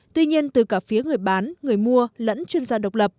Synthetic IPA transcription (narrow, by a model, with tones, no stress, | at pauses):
t̪wi˧ɲi˧ənt̪ɨ˨˩kaː˧˩fi˨˦ŋɨ˨˩əjɓaː˨˦nŋɨ˨˩əjmu˧ələ̰˧˥nt͡ɕwi˧ənzaː˧ɗə˨˩wk͡p̚lə˨˩p̚